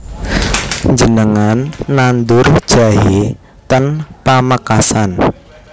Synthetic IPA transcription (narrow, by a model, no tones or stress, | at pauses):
ɲd͡ʒənəŋanːand̪ʊrd̥ʒ̥a̤ɦe | t̪ənpaməkasan